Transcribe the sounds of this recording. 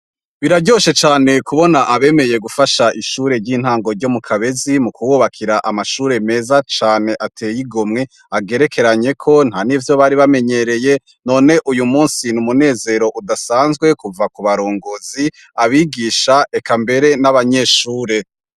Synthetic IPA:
βiɾaɟo̞ʃe̞t͡ʃaːne̞kuβo̞naʔaβe̞ːme̞je̞ɡufaʃaʔiʃuːɾe̞ɾɟiːn̥haːŋɡo̞ɾɟo̞mukʰaβe̞zimukuwoβakʰiɾaʔamaʃuːɾe̞me̞ːzat͡ʃaːne̞ʔatʰejiɡomŋe̞ | aɡe̞ɾe̞kʰe̞ɾaɲe̞kʰo̞n̥haːnivjo̞βaɾiβame̞ɲe̞ɾe̞je̞ | no̞ːne̞ʔujumuːnsinumune̞ːze̞ɾo̞ʔudasaːnzɡwe̞kuvakuβaɾoːŋɡozi | aβiːɡiːʃaʔekambe̞ɾe̞naβaɲe̞ʃuːɾe̞

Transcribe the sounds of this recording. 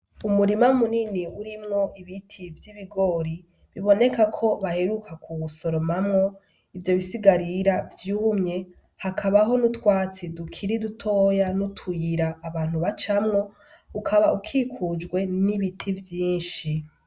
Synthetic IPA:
umuɾimamuniniuɾimŋo̞ʔiβitʰivjiβiɡo̞ːɾi | βiβo̞ne̞kakʰo̞βaheɾukakʰuβuso̞ɾo̞mamŋo̞ | ivjo̞βisiɡaɾiɾavjuːmɲe̞ | hakʰaβaɦo̞nutwaːt͡sidukʰiɾidutʰoːjanutʰujiɾaːβaːn̥huβat͡ʃamŋo̞ | ukʰaβaʔukʰikʰud͡ʒɡwe̞niβitʰivjiːnʃi

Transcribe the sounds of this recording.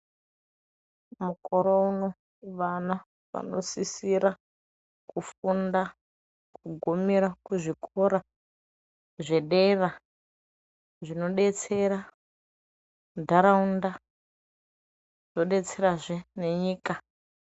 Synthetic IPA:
mukoɾouno̞ | ʋana | ʋa̰no̞̰sisiɾa | kufunda | kʰuɡʱomiɾakuʐikʰoɾa | ʐe̞ɗera | ʐino̞ɗet͡se̞ɾa | dʱaɾaunda | z̥o̞ɗe̞t͡se̞ɾaʐene̞ɲiːka

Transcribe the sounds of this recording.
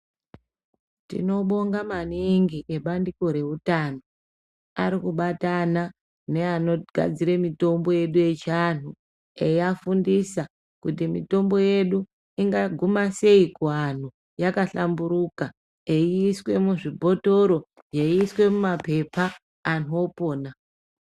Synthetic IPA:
tḭno̞ɓo̞ŋɡamaniŋɡiʔeɓandiko̞ɾe̞utano̞ | aɾikuɓatana | ne̞ano̞ɡ̥ʱa̰d͡ziɾemito̞mbo̞je̞ɗuje̞t͡ʃan̤u | eiafundisa | kutimito̞mbo̞je̞ɗu | iŋɡaɡʱumase̞ikuan̤u | jakaɬambuɾuka | eiːswe̞muʐibʱo̞to̞ɾo̞ | jeiːswe̞mumape̞paː | n̤o̞po̞ːna

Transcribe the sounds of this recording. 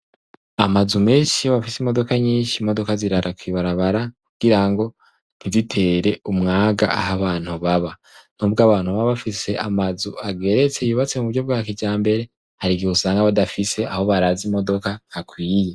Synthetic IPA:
amazume̞ːnʃihoβafisimo̞do̞kaɲiːnʃimo̞do̞kaziɾaɾʔakwiːβaɾaβaɾakuɡ̥iɾaŋɡo̞ | n̥izitʰe̞ɾe̞umŋaːɡa̰ʔaɦaβaːn̥huβaβa | n̥uːbɡaːβaːn̥huβaβafise̞ʔamazuaɡe̞ɾe̞t͡se̞juːβat͡se̞muuɾɟob̚ɡaːkiɟaːmbe̞ɾe̞ | haɾiɡiusaːŋɡaβadafise̞aho̞βaɾaːzimo̞do̞kahakwiːje

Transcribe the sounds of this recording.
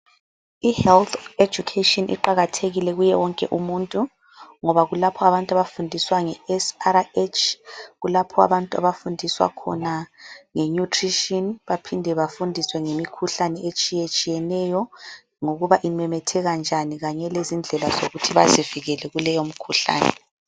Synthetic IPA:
ihɛlt̪ʰe̥d͡ʒukʰetʼɔnʔḭǃaɣatʰeɣilɛɣujɛwɔŋkʼɛ̰ʔumuntʼu | ŋɔβaɣulapʰɔaβantʼuaβafundʱiswaŋɛɛsaɾaet͡ʃʰʼɣulapʰɔa̰βantʼua̰βafundʱiswa̰kʰɔ̰naŋɛɲutʰriʃiɔnβapʰindʱɛβafundʱiswɛŋemikʰuɬanɛet͡ʃʼijet͡ʃʼijɛnɛjɔ | ŋoɣuβaʔimɛmɛtʰɛɣand͡ʒʱaniɣaɲɛlezind͡ɮʱɛlazo̰ɣutʰiβa̰ziviɣɛlɛɣulɛjom̩kʰuɬa̰ːnɛ̰

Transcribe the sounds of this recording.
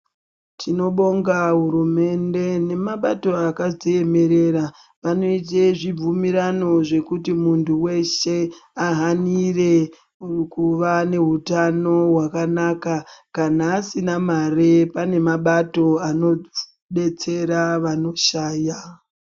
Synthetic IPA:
tʰino̞ɓo̞ŋɡaɦuɾume̞nde̞ne̞maɓato̞akazeje̞me̞ɾe̞ɾa | ʋano̞it̬eʐib͡vumiɾano̞ʐe̞kutimuntʰuwe̞ʃe̞aɦanire̞ | kuʋane̞ɦutano̞wakanakakanaːsinamaɾepane̞maɓato̞ano̞ | ɓe̞t͡se̞ɾaʋano̞ʃaːja

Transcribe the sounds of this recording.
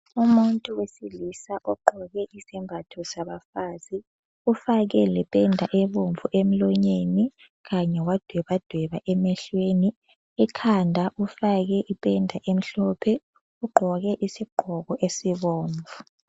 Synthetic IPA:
umuntʼuwesilisaʔɔɡ͡ǃʱɔɣɛʔisimbʱatʰɔsaβafaːzi | ufaɣɛlɛpʼɛndʱaʔɛβoɱvuʔem̩lɔɲeni | ɣaɲɛwad̥ʱwɛβad̥ʱwɛβaʔɛmɛɬweni | ɛkʰandʱaʔufaɣɛʔipʼɛndʱaʔem̩ɬɔpʰɛ | uɡ͡ǃʱɔɣɛʔisiɡ͡ǃʱɔɣɔʔesiβoːɱvu

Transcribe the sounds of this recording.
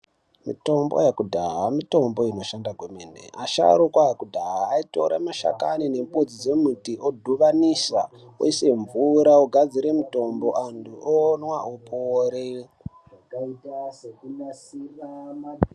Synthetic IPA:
mḭto̞mbo̰jakudʱaɦamito̞mbo̞ino̞ʃandaɡwemenḛʔaʃa̰ɾukwajakudʱaɦaːito̞ɾa̰maʃa̰kanine̞mpod͡zid͡ze̞mutiʔodʱuʋanisa | o̰ise̞ɱvuɾaoɡʱad͡ziɾe̞muto̞mbo̞ʔantʰuʔoːnwaʔopoɾe | akaitasekunasirama

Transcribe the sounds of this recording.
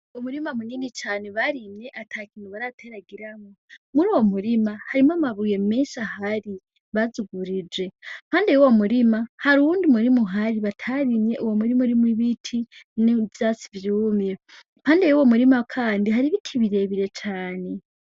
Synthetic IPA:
omuɾimamuniːndit͡ʃaːneβaɾimɲe̞ʔatʰakiːnhuβaɾatʰeɾaɡiɾamomuɾuːwo̞muɾimahaɾimamaβuje̞meʃahaɾi | βazuɡuɾid͡ʒwe̞m̥haːndejuwo̞muɾimahaɾuuːndimuɾimuɦaɾiβatʰaɾimɲe̞ʔuwomuɾimuɾimwiβitʰinivjasi̥vjuːmje | mhaːndejuwo̞muɾimakʰaːndiɦaɾiβitʰiβiɾe̞βiɾe̞t͡ʃaːne̞

